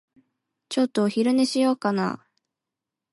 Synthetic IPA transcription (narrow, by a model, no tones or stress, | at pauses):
t͡ɕo̞t̪ːoːçiɾɯ̟neɕijo̞ːkana̰ː